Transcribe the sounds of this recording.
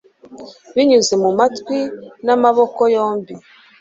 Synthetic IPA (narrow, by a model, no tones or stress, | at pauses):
βiɲuzemumatkwinamaβokojoːmbi